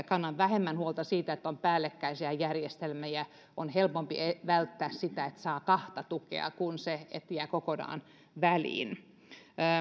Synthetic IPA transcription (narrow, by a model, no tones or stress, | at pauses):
kɑnːɑʋʋæhemːænhuolt̪ɑsiːt̪æet̪ːompæːlːekːæisiæjærjest̪elmæjæ | onhelpompiʔeʋælt̪ːæːssit̪æet̪sɑːkɑht̪ɑt̪ukḛɑ̰kunseḛt̪jæːkokonɑ̰ːn | ʋælḭːnː